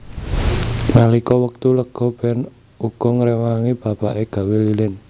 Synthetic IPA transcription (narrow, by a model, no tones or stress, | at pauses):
nalikɔwək̚t̪uləkɡ̥ɔb̥ɛn | uɡ̥ɔŋɾɛwaŋib̥a̤paʔeɡ̥a̤welilɪn